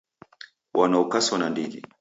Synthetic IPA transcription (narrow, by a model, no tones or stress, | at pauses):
wʔanaukasɔnandilḭ